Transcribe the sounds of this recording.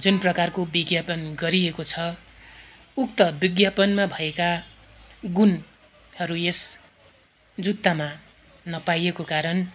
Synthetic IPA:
d͡zunprʌkarkobiɡjapʌnɡʌɾiekot͡sʰʌ | ukt̪ʌbiɡjapʌnmabʱʌeka | ɡun | hʌɾues | d͡zut̪ːama | nʌpajekokaɾʌn

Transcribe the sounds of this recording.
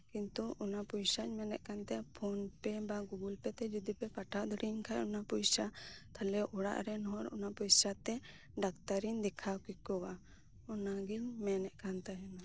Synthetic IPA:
kint̪uʔɔnapujsaɲmɛnɛ̰ʔ̚kant̪ɛpʰɔnpɛbaɡuɡulpɛt̪ɛd͡ʒud̪ipɛpaʈʰad̪ɔɽiɲkʰajɔnapujsat̪ʰalɛʔɔɽa̰ʔɾɛnɦɔɾɔ̰napujsat̪ɛ | ɖakt̪aɾiɲd̪ɛkʰakikɔwa | ɔnaɡiɲmɛnɛʔ̚kant̪aɦɛna

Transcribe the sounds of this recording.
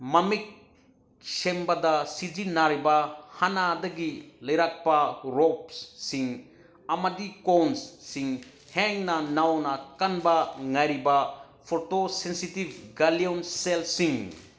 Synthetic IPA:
mɐmik̚ | sembɐdasid͡ʒinaɾibahanadɐɡilɐjɾak̚paɾop̚ssiŋ | ɐmɐdikonssiŋ | heŋnɐnawnɐkanbɐŋajɾiba | pʰoɾtosensitib̚ʱɡalionselsiŋ

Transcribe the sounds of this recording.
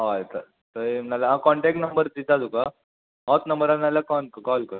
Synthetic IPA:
ɦajt̪a | t̪əenalaãkɔɳʈɛk̚ʈnəmbəɾd̪it̪at̪uka | ɦɔt̪nəmbəɾanalakɔnkakɔlkəɾ

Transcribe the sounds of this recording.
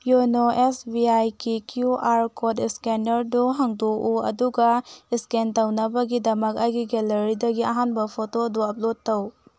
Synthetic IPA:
junoʔesbiajkikʰjuʔaɾkʰodiskenɐɾduɦɐŋduʔuɐ̰duɡɐiskentawnɐbɐɡidɐmɐkajɡiɡelɐɾidɐɡiɐɦanbɐpʰotoduɐp̚lod̚tːɐw

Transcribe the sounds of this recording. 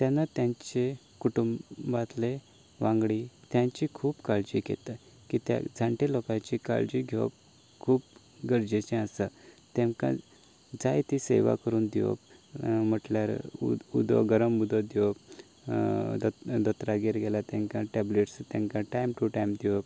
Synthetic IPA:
t̪janːat̪jãɲt͡ɕe | kuʈumbat̪le | ʋãŋɡɽit̪jãɲt͡ɕikʰuːbkald͡ʑiːkḛt̪a | kit̪a̰d͡zʱãɳʈelokãt͡ɕika̰ld͡ʑiɡʱeʋə̰p̚ | kʰuːp | ɡəɾd͡ʑet͡ɕẽasat̪ẽŋkã̰ | d͡zajt̪isḛʋa̰kəɾuːnd̪iʋo̰pm̤əʈljaɾud̪ɔ̰ɡəɾəmud̪ɔd̪iʋəp | d̪ət̪ɾaɡeɾɡɛlat̪ɛ̃ŋkãʈɛbleʈst̪ãŋkãʈajmʈuʈajmd̪iʋəp

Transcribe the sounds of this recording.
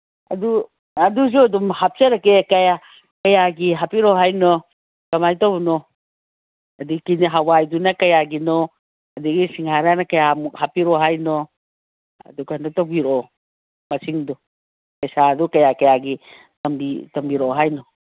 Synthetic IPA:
ɐ̰du | ɐduz̬uɐdumhap̚seɾakekɐja | kɐjaɡiɦapiɾɔɦajnɔ | kɐmajtɔwnɔ | ɐdikiniɦawajdunakɐjaɡinɔ | ɐdiɡisiŋhaɾanɐkɐjamuhapiɾɔɦajnɔ | ɐ̰dukanɔtabiɾɔ | mɐsiŋdu | kɐjsadukɐjakɐjaɡi | tɐmbitɐmbiɾɔɦajnɔ

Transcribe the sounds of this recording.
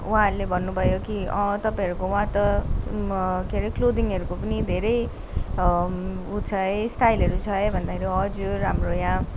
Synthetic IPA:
uɦãʌɾulebʱʌnːubʱʌjokiʌ̃t̪ʌpãĩɦʌɾukouɦãt̪ʌ | keɾklod̪iŋʌɾukopʌnid̪ʱeɾʌj | ut͡sʰʌesʈajlʌɾut͡sʰʌebʱʌnd̪akʰeɾiʌd͡zuːamrojã

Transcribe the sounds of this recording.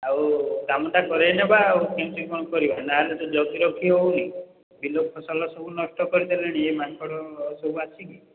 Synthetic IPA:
awkamɔt̪akɔɾenebaːwkemsikkɔnɔkɔɾibanaɦelet̪ɔd͡ʒɔt̪iɾɔkʰiɦowni | bilok̚ʰɔsalɔsɔbʱunɔsʈɔkɔɾit̪ʰileɽ̃iemakʰɔɽɔsɔbʱuasʰiki

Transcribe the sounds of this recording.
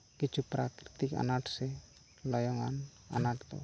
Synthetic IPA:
kit͡ʃʰupɾakɾit̪ika̰naʈsɛ | lɔjɔŋa̰na̰naʈt̪ɔ̰

